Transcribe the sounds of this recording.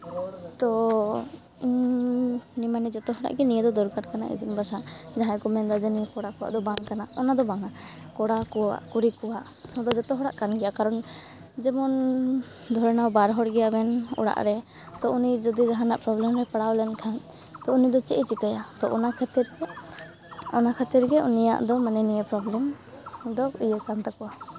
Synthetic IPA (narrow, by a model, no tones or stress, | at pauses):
t̪ɔ | iɲ | nimanɛd͡ʒɔt̪ɔɦɔɽa̰ʔɡɛnijɛd̪ɔd̪ɔɾkaɾkana̰ʔḭd͡ʒinbasad͡ʒaɦãkɔmɛnd̪ad͡ʒɛnikɔɽakɔwa̰ʔd̪ɔbaŋkanaɔnad̪ɔbaŋakɔɽakɔwa̰ʔkuɾikɔwaʔ | ɔd̪ɔd͡ʒɔt̪ɔɦɔɽa̰ʔkanɡɛjakaɾɔn | d͡ʒɛmɔn | d̪ʱɔɾɛnawbaɾɦɔɽɡɛjabɛnɔ̰ɽa̰ʔɾɛt̪ɔʔunid͡ʒɔd̪id͡ʒaɦãnaʔpɾɔblɛmɾɛpaɽawlɛnkʰan | t̪ɔunid̪ɔt͡ʃɛʔɛt͡ʃikajat̪ɔʔɔnakʰɛt̪iɾɡɛ | ɔnakʰat̪iɾɡɛʔunija̰ʔd̪ɔmanɛnijɛpɾɔblɛm | d̪ɔujɛkant̪akɔwa